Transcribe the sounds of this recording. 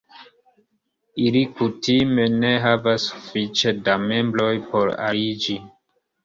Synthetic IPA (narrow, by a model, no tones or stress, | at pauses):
ilikutime̞ne̞ɦavasːu̥fit͡ʃedame̞mbɾo̞jpo̞ɾa̰id͡ʒi